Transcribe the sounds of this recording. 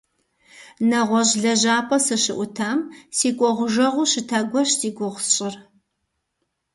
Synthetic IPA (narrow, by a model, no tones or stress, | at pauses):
nɐʁʷɔʑɮɐʑaːpʼɐsɨɕɪʔʷʊtʰaːmsiːkʷʼɔʁʷʊʒɐʁʷʊɕɪtʰaːɡʷɔɕtʰiːɡʷʊʁʷsɕʼɪr